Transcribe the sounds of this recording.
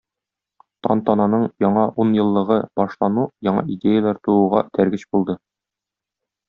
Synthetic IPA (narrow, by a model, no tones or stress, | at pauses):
t̪ɒ̰nt̪ɒnɑnɤɴjɒɴɑʔunjɤ̆lˠːɤ̆ʁɤb̥ɒʃlˠɑnujɒɴɑ̰ʔidʲejalˠɑɾt̪uuʁɑ̰t̪æɾɡɘɕbulˠd̪ɤ